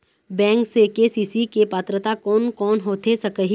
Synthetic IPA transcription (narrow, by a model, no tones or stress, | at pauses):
bɛ̃ːŋksekesiːsikepaːt̪ɾət̪akɔːnkɔːnɦoːt̪esɐkəɦi